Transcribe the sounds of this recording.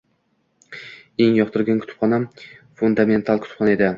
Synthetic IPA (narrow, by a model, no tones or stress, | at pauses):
e̞ŋjɒqt̪ʰʊɾɡʲankʰʊ̥t̪ʰʊ̥pʰχɒnam | fʊnd̪ame̞nt̪ʰalˠkʲʰʊt̪ʰʊ̥pχɒnae̞d̪ɪ